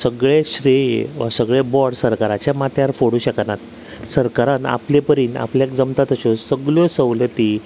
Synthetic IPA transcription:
səɡɭeɕɾiʋasəɡɭebɔɽsəɾkaɾat͡ɕjamat̪jaɾfoɽuːɕəknat̪ | səɾkaɾãna̰plepəɾiːna̰pljakd͡zəmt̪at̪əɕɔsəɡɭjɔsəwlət̪iː

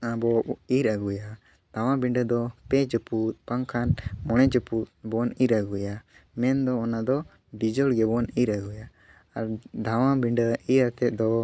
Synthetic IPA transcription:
abɔiɾaɡuja | d̪̥ʱawãbiɳɖəd̪ɔpɛd͡ʒəput̪̚paŋkʰanmɔɽ̃ɛd͡ʒəput̪̚bɔniɾaɡuja | mɛnd̪ɔːnad̪ɔ | bid͡ʒɔɽɡɛbɔniɾaɡuja | aɾd̪ʱawabiɳɖəiɾat̪ɛt̪̚d̪ɔ

